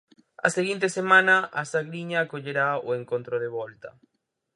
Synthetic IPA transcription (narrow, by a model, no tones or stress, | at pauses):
a̰seɣint̪esemãnaʔasaɣɾiɲaːkoʎeɾaoeŋkont̪ɾoðeβɔlt̪ɐ